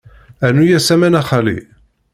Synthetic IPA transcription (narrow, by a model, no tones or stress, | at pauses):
ænujæsæmænæχælḭ